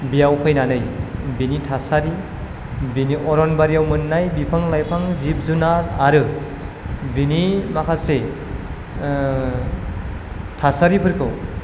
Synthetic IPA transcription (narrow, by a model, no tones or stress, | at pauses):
bijawpʰɯjnanɯjbinitʰasaɾi | biniʔɔɾɔnbaɾijawmɯnːajbipʰaŋlajpʰaŋzip̚zunaɾaɾɯ | binimakʰase | tʰasaɾipʰɯɾkʰɯw